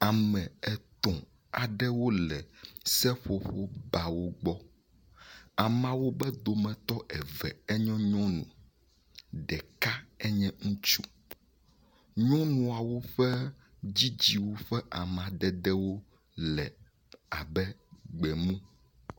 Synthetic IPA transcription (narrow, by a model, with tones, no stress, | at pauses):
a˨mɛ̃˨ɛ˨t̪ɔ̃˨ | a˨ɖɛ˦wo˦lɛ˨sɛ˦ɸo˨ɸo˦ba˨wo˦ɡ͡bɔ˦ | a˨mã˨wo˦bɛ˦d̪o˨mɛ̃˨t̪ɔ˦ɛ˨vɛ̰˨ɛ˦ɲɔ̃˦ɲɔ̃˦nṵ̃˨ | ɖɛ˨ka˦ɛ˦ɲɛ̃˦ŋũ˦t͡ʃu˦ | ɲɔ̃˦nũ˨a˨wo˦ɸɛ˦ | d͡ʑi˦d͡ʑi˦wo˦ɸɛ˦ʔa˨m˨ã˨ɖɛ˨ɖɛ˦wo˦ | lɛ˨ | a˨bɛ˦ɡ͡bɛ˨mũ˦